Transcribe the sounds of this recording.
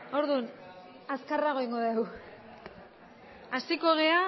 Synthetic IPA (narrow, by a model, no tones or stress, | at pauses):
o̞ɾðun | askaraɣo̞iŋɡo̞ðew | asiko̞ɣ̞ea